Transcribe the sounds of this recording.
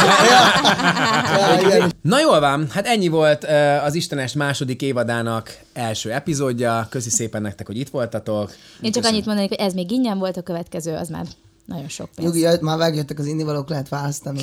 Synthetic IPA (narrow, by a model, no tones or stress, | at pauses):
j | iɛnɒjoːlvɒmhat̪ɛɲːivo̞lt̪ːɒziʃt̪ɛnɛʃmaːʃo̞d̪ikeːvɒd̪aːnɒk | ɛlʃøːɛpizoːɟːɒkøsiseːpɛnːɛk̚t̪ɛkhoɟit̪ʋo̞lt̪ɒt̪o̞keːt͡ʃɒkɒɲːit̪mond̪ɒneːkhoɟɛzmeːɡiɲːɛɱvo̞lt̪ɒkøvɛt̪kɛzøːɒ̰zma̰ːr | nɒ̰ɟo̞nʃo̰knuɡit̪maːmɛɡjøt̪ːɛkɒzinːivɒloːklɛɦɛt̪ʋaːlɒst̪ɒni